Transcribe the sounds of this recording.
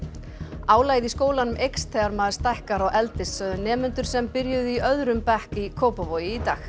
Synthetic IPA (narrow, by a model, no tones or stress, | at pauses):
aːwlaːjðiskoːwlanʏmʔejkst̪ʰɛːɣaɾmaːðst̪ajhkaɾɔɣɛlt̪ɪsːœðʏnɛːmʏnt̪ʏɾ̥sɛmpɪɾjʏðiœðɾʏmpɛhkikʰowpavoːjɪit̪aːx